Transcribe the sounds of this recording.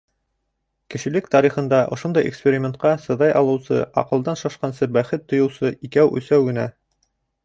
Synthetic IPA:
kɘ̆ʃɘ̆lɘkt̪ɑɾiχɤ̆nd̪ɑʔŏʃond̪ɑjḛkspʲeɾʲɪmʲent̪̚qɑsɤ̆ðɑjɑlˠɤ̆wsɤ̰ɑ̰qɤ̆lˠd̪ɑnʃɑʃqɑnsɤbæχɘt̪ːŏjɤ̆wsɤʔikæwʔʉ̰̆sæwɡɘ̆næ

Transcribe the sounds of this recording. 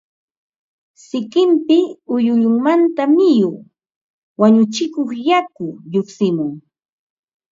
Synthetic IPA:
sɪkɪmpɪʊjʊʎʊŋmant̪amɪjʊː | waɲʊt͡ʃɪkoχjakʊʎoχsɪmʊŋ

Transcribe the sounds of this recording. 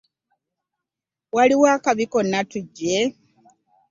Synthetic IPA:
waliwaːkaβiko̞nːatuɟːe

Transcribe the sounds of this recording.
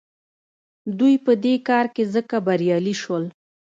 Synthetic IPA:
d̪ujpəd̪ekɑɾkezəkabaɾjɑliʃwəl

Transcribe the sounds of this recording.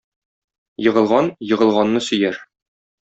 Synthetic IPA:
jɤ̆ʁɤ̆lˠʁɑnjɤ̆ʁɤ̆lˠʁɑnːɤsɵ̆jæɾ

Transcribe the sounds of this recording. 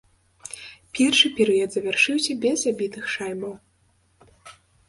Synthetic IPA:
pʲɛrʂɨpʲɛɾɨjɔd̪zɐvʲarʂɨwsʲɐbʲɛzabʲit̪ɨxʂajmɐw

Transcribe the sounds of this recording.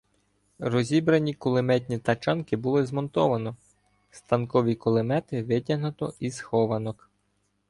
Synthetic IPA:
rɔzʲibɾɐnʲikʊlˠɪmɛt̪̬ʲnʲit̪ɐt͡ʃɑnkɪbʊlˠɪzmɔnt̪ɔʋɐnɔ | st̪ɐnkɔʋʲikʊlˠɪmɛt̪ɪʋɪtʲɐɦnʊt̪ɔisxɔʋɐnɔk

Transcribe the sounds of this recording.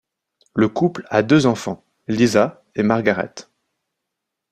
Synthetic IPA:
ləkuplad̪øzɑ̃fɑ̃ | liza | emaʁɡaʁɛ̰t̪

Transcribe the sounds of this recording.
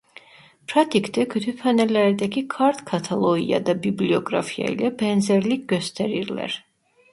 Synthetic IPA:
pʰɾat̪ʰikʰd̪ʰɛkʰyt̪ʰypʰanɛlɛɾd̪ɛkʰikʰaɾt̪ʰkʰat̪ʰalˠɔḭa̰d̪abibliɔɡɾa̰pʰia̰ḭlɛbɛnzɛɾliɡɔst̪ʰɛɾiɾlɛ̰ɾ

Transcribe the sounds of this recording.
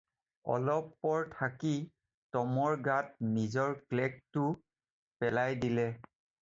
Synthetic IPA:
ɔ̰lɔpːɔɹtʰaki | tɔmɔɹɡat̚nizɔɹklɛk̚tʊ | pɛlajdilɛ

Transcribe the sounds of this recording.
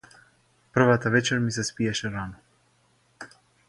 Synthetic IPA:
pr̩vat̪avɛt͡ʃɛɾmisɛspijaʃɛɾanɔ

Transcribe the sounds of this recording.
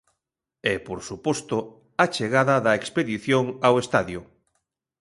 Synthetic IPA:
ɛpoɾsupɔst̪ʊ | at͡ʃeɣaðɐðɐekspeðiθjoŋawest̪aðjʊ

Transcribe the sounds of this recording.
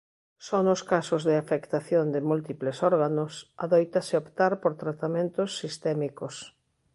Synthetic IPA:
sonʊskasʊzðɪafekt̪aθjond̪ɪmult̪iplesɔɾɣanʊsaðojt̪asɪopt̪aɾpoɾt̪ɾat̪amẽnt̪ʊsːist̪ɛmikʊs

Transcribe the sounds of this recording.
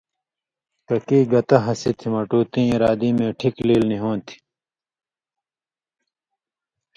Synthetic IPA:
kɐkiːɡɐt̪ɐɦɐsit̪ʰimɐʈuːt̪ĩːɾaːd̪iːmẽːʈʰikliːlniɦõːt̪ʰi̥

